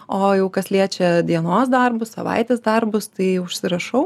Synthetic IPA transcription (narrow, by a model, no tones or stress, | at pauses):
oːjɛʊkɐsʲlʲiɛt͡ʃʲɛd̪ʲiɛnoːs̬d̪ɐrbʊssɐ̰ʋɐ̰ɪt̪ʲeːsd̪ɐrbʊst̪ɐɪʊʃʲsʲɪɾɐʃɐʊ